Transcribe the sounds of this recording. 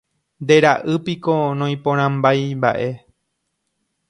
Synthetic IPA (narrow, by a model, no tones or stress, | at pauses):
nd̪e̞ɾaʔɨpiko̞nõj̃põɾ̃ãmbajmba̰ʔe̞